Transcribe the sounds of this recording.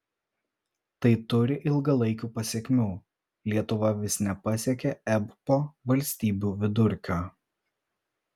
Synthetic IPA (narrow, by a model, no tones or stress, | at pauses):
t̪ɐɪt̪ʊɾʲɪʔɪlˠɡɐlˠɐɪkʲuːpɐsʲɛkʲmʲuː | lʲiɛt̪ʊʋɐʋʲɪsnʲɛpɐsʲiɛkʲɛɛbpoːʋɐlʲsʲt̪ʲiːbʲuːʋʲɪd̪ʊɾʲkʲoː